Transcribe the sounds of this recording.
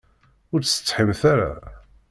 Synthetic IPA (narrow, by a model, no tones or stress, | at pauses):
ʊɾt͡sːsə̥t͡sːˤħɪmθaɾa̰